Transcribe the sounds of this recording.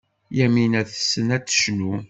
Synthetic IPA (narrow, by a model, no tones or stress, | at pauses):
jæminæθə̥sːənæt͡sːə̥ʃnu